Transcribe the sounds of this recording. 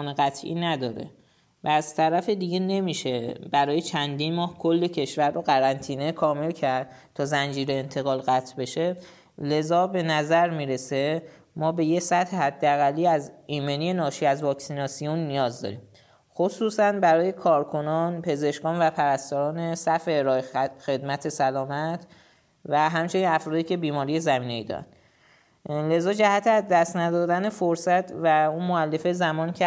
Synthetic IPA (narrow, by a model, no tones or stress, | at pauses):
neɣæt̪ʰʔḭːnæd̪ɒːɾḛ | væːzt̪ʰæɾæfed̪iɟe̞ne̞miːʃebæɾɒːje̞t͡ʃʰænd̪iːnmɒːhkʰo̞lːe̞cʰe̞ʃvæɾːoɣæɾænt̪ʰiːne̞kʰɒːme̞lcʰæɾd̪̥̚ | t̪ʰɒːzænd͡ʒiːɾeːnt̪ʰe̞ɣɒːlɣæt̪ʰbe̞ʃe̞ | le̞zɒːbe̞næzæɾmiːɾe̞se̞ | mɒːbe̞jesæt̪hehæd̪ːeæɣælːiːæziːmenije̞nɒːʃiæzvɒːksinɒːsijonːijɒːzd̪ɒ̰ɾiːm | xosuːsænbæɾɒːje̞kʰɒːɾkʰo̞nɒnpʰe̞ze̞ʃkɒːnvæpʰæɾæst̪ɒːɾɒːnesæfeɾɒːexe̞d̪mæt̪ʰe̞sælɒːmæt̪ʰ | væɦæmt͡ʃʰe̞ninæfɾɒːd̪iːcʰe̞biːmɒːɾije̞zæmiːneiːd̪ɒ̰ɾæ̰nd̪ | le̞zɒːd͡ʒæhæt̪ʰeæzd̪æst̪næd̪ɒːd̪æne̞foɾsæt̪ʰvæunmoælːe̞fezæmɒːncʰe